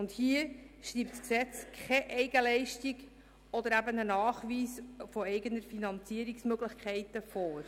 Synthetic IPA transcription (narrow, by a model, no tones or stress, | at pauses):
ʊndhiəʃɾiːp̚tsksɛt͡skʰχɛʔɛɪɡəlɛɪʃtiɡ | ɔd̪əɾæbənənɑːχʋiːsfɔɛɪɡənəɾfinɑnt͡siːəɾiksmøɡlɪχkʰɛɪtəfɔːɾ